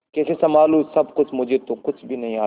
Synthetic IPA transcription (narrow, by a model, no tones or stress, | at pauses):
kɛːsesɐmaːlũːsɐbkʊt͡ʃʰmʊd͡ʒʱet̪õkʊt͡ʃʰbʱinɐɦĩaː